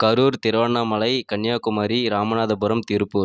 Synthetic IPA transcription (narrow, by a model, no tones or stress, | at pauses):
kɐɾuːɾt̪ɪɾʋɐɳːɐmɐlɐɪkɐɳːjaːkʊmaːɾiɾaːmɐnaːðɐbʊɾɐmt̪ɪɾɯpːɯ